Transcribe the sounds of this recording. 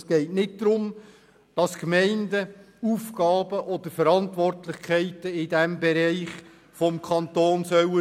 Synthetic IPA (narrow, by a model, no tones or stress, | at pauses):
sɡ̥ɛɪtnɪt̚d̥ɾʊm | d̥ɑskmɛɪndə | uːfɡ̥ɑːbəʔɔd̥̪əɾfəɾɑntʋɔrtlɪχkʰɛɪtəɪdɛmbɛɾɛɪχ | fɔmkʰɑntoːnsœwə